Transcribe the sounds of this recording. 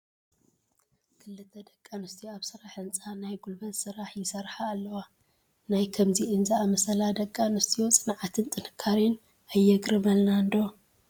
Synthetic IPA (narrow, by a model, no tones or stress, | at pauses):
kʰɨlːɨt̪ʰɐd̪ɐkʼːanɨst̪ʼʰiaβsɨɾaħɨnt͡sʼanajɡulbɐzsɨɾaħjɪsɐɾħaːlːɐwa | najkʰɐmziʔɨnzaamɐsɐlad̪ɐkʼːanɨst̪ʰʼijot͡sʼɨnʕat̪ʰɨnt̪ʼɨnɨkʰːaɾin | ʔajːɛɡɾɨmɐlnand̪o